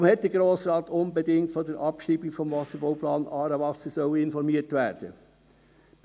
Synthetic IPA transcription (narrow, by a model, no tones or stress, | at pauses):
mhɛt̚d̥əɾɡɾoːsɾɑːt̪ʊnbɛdɪŋtfɔdəɾʔɑpʃiːbifɔmvɑsəɾbɔʊplɑːnɑːɾɑvɑsəsœʊəɪnfɔɾmiətʋæːɾd̥ə